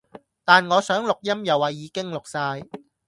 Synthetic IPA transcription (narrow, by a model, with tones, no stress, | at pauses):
t̪aː˨nŋɔː˨˧sœː˨˥ŋlʊ˨k̚jɐ˥mjɐ˨wːɐ˨˩jːiː˨˧kɪ˥ŋlʊ˨k̚saː˧j